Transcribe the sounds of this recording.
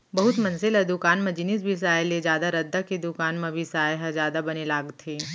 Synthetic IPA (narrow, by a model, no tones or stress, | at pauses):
bɐɦʊt̪mɐ̃nselad̪ʊkaːnmɐ̃d͡ʒɪnis̬bʱis̬aːeled͡ʒjaːd̪aɾɐd̪ːaked̪ʊkaːnmɐ̃bʱisaːjɦɐzjaːd̪abɐnelaːɡt̪ʰeː